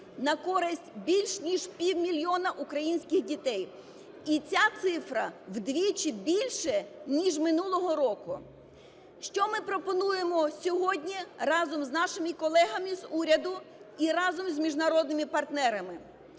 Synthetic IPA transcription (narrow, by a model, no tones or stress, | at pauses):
nɐkɔɾɪsʲtʲbʲilʲʃnʲiʒpʲiwmʲilʲjɔnɐʔukɾɐjinʲsʲkʲɪɣdʲit̪ɛj | it͡sʲat̪sɪfɾɐwd̪ʋʲit͡ʃɪbʲilʲʃɛnʲiʒmɪnulˠɔɦɔɾɔkʊ | ʃt͡ʃɔmɪpɾɔpɔnujemɔsʲɔɦɔdʲnʲirɑzɔmznɑʃɪmɪkɔlˠɛɦɐmizuɾʲɐd̪ʊiɾɑzɔmzʲmʲiʒnɐɾɔd̪̚nɪmɪpɐrt̪nɛɾɐmɪ